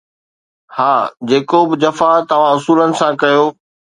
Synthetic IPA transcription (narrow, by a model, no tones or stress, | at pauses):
haːd͡ʑeːkobɪd͡ʑɐfat̪ɐʋ̤ãʊsuːlənɪ̆sãkɐjoː